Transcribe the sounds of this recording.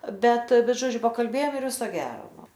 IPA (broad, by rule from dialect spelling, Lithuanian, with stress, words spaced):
ˈbʲɛt ˈbʲɛt ˈʒoːd͡ʒʲʊ pɐkɐlʲˈbʲeːjoːm ɪr ˈʋʲɪsoː ˈɡʲæːroː ˈnʊ